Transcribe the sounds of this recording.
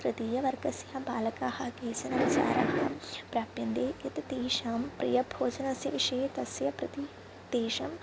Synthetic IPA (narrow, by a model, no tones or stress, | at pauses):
kɾɨt̪iːjɐʋɐɾɡɐsjɐbaːlɐkaːhɐkeːsɐnɐʋisa̰ːɾa̰ːɦɐpɾaːpjɐnd̪eːɐt̪t̪iːʂaːmpɾḭjɐbʱoːd͡ʒɐnɐsjɐʋiʂɐjet̪ɐsjɐpɾɐt̪i | t̪eːʂɐm